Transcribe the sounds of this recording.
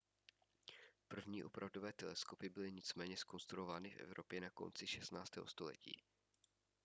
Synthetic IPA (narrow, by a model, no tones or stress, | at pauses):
pr̩vɲiːʔo̞pɾʔavdo̞vɛːt̪ɛlɛsko̞pɪbɪlɪɲɪt͡smɛːɲɛsko̞nst̪ɾuovaːnɪfʔɛ̰vɾopjɛnako̞̰nt͡sɪʃɛst̪naːt͡st̪ɛ̰ːɦost̪olɛ̰cḭː